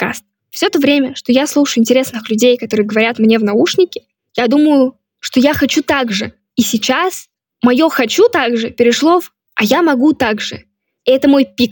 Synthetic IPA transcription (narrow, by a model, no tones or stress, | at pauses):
ka̰st̪̚ | fsʲot̪əvɾʲemʲəʂt̪o̞jaslˠuʂɨjʊɪnʲtʲɪɾʲe̞snɨxlʲʉdʲejkɐt̪o̞ɾɨjəɡəvɐɾʲat̪mnʲe̞vnɐuʂnʲɪkʲɪ̥ | jad̪uməjʊ | ʂt̪o̞jaxɐt͡ɕut̪aɡʐɨ | isʲɪt͡ɕas | mɐjo̞xɐt͡ɕut̪aɡʐɨpʲɪɾʲɪʂlˠo̞f | ɐjamɐɡut̪aɡʐɨ̰ | ɛt̪əmo̞jpʲik